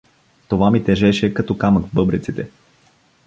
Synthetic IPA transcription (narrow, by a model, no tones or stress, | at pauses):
t̪ovamit̪ɛʒɛʃɛkɐt̪ɔkaməkvbɤbɾit̪sit̪ɛ